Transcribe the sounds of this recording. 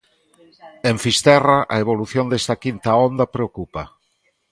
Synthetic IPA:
ẽɱfist̪ɛraʔaeβoluθjond̪est̪akint̪aond̪apɾeokupa

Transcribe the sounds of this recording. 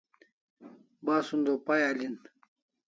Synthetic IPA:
baːsund̪opajalin

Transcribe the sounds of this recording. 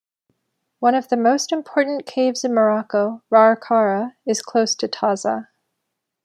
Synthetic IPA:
wʌ̃ñʌvðɨmoʊstɨ̃mpʰɔɹʔn̩kʰeɪvzɨ̃nmə˞ɑkoʊɹɑəɹkʰɑɹəɨz̥kʰl̥oʊstʰɨtʰɑzə̰

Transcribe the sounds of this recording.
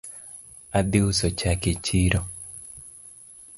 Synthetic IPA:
ad̪ɪʊsot͡ʃaket͡ʃiɾo

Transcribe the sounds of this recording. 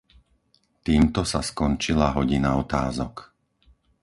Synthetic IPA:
t̪iːmt̪ɔsaskɔnt͡ʃilaɦɔɟinaɔt̪aːzɔk

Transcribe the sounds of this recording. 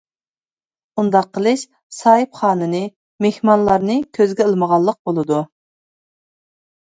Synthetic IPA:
und̪ɑqʰːəlˠɨʃ | sɑːɨpχɑːnɨnɨ | mehmɑnlˠɑɾnɨkʲʰøzɡʲɛəlˠməʁɑlˠːəq̚bolˠɨd̪u

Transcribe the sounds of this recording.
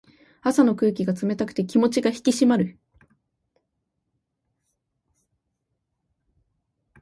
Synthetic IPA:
asano̞kɯ̟ːkʲiɡat͡sɨme̞t̪akɯ̟̥t̪e̞kʲimo̞t͡ɕiɡaçi̥kʲiɕimaɾɯ̟

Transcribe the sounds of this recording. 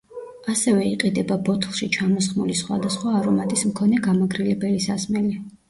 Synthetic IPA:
asɛvɛiqʼid̪ɛbabɔt̪ʰlˠʃit͡ʃʰamɔsχmulisχwa̰d̪asχwaːɾɔmat̪ʼismkʰɔnɛɡamaɡɾilɛbɛlisasmɛli

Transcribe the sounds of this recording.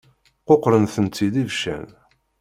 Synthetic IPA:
qoqːɾənθənt̪ːid̪ivʃæ̰n

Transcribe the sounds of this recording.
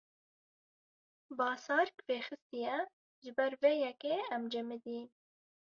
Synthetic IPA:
bɑːsɑːɾkveːxɨst̪ijɛ | ʒɨbɛɾveːjɛkeːɛmd͡ʒɛmɨd̪iːn

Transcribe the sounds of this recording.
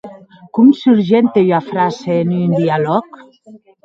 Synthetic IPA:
kumsuɾʒent̪ejafɾaseːnind̪ialɔk

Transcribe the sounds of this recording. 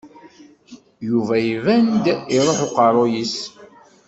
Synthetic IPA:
juvæivænd̪iɾˤoħoqɑɾˤojis

